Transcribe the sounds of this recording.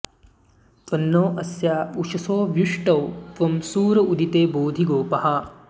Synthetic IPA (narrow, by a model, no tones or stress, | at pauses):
t̪ɐnːoːʔɐsjaːuʃɐsoːʋjuʂʈɐwt̪ʋɐmsuːɾɐʔud̪ʱit̪eːboːd̪ʱiɡoːpɐɦɐ